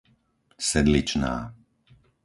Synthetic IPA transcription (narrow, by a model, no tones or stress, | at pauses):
sɛd̪lit͡ʃna̰ː